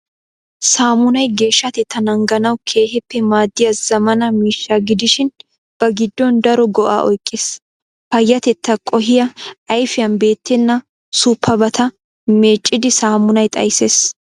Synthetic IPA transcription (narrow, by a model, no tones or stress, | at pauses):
saːmʊnɐjɡe̞ːʃːɐt̪ɛt̪ːɐnɐŋɡɐnɐwkʰe̞ːɦɛpːɛmaːd̪ːɪjɐz̥ɐmɐnɐmiːʃːaɡɪd̪ɪʃɪn | b̥ɐɡɪd̪ːɔnd̪ɐɾɔɡɔʔa̰ːʔɔ̰jkʼːeːs | fɐjːɐt̪ɛt̪ːɐkʼɔɦɪjɐʔɐjfɪjɐnbe̞ːt̪ːɛnːɐ | suːpːɐbɐt̪ʰɐ | me̞ːt͡ʃʼːɪd̪ɪsaːmʊnɐjt̪ʼɐ̰jse̞ːs